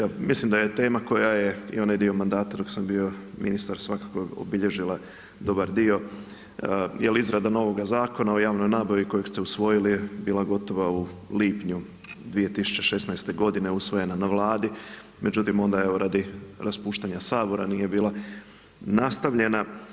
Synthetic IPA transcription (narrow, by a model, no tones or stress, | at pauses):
jaːmislimd̪ajet̪e̞ːmako̞jaje̞ḭo̞najd̪io̞mand̪aːt̪ad̪o̞ksambio̞minist̪aɾsʋakakoo̰biʎe̞ʒilˠa | d̪o̞baɾd̪io̞ | jelizɾad̪ano̞ʋo̞ɡazaːko̞nao̞jaːʋno̞jnaːbaʋiko̞jekst̪eusʋo̞jilijebiːlˠaɡo̞t̪o̞ʋauliːpɲu | d̪ʋije̞t̪isu̥t͡ɕe̞ʃe̞snajst̪e̞ɡo̞d̪ine̞usʋo̞je̞nanaʋlˠaːd̪i | me̞d͡ʑut̪imo̞nd̪ae̞ʋo̞ɾad̪iɾaspuːʃt̪aɲasaːbo̞ɾa̰nije̞biːlˠa | nast̪aʋʎe̞na